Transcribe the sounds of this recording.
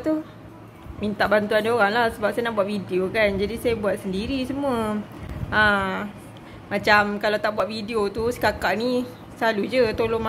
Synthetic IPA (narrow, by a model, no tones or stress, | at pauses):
t̪u | mint̪aʔbant̪uandioɾaŋlahsəbap̚sajanaʔbuaʔ̚fidiokand͡ʒadisajabuat̪̚səndiɾisəmũə | ə | mat͡ʃamkalawt̪aʔbuaʔ̪̚fidiot̪usə̥kakaʔni | salud͡ʒət̪oloma